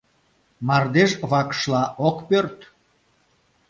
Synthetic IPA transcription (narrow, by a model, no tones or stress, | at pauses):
mɑrd̪eʒβɑkə̥ʃlɑʔokpørt̪